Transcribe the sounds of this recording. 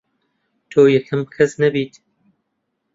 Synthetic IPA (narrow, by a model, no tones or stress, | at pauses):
t̪ʰoːjɛkʰɨmkʰɐsnɐbiːt̪